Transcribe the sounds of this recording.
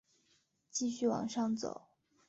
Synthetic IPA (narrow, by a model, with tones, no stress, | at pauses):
t͡ɕi˥˧ɕy˥˩wɑ̰˨˩ŋʂɑ˥˩ŋt͡so̰˨˩˦ʊ